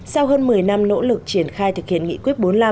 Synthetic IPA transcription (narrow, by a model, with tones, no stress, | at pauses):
sa˧wɦəː˧nmɨ˨˩əjna˧mno̰˧˥lɨ˨˩k̚t͡ɕi˧˩ənxaː˧jt̪̚ʰhḭ˧˨ənŋḭ˧kwi˦˥ət̚ɓo˨˦nlaː˧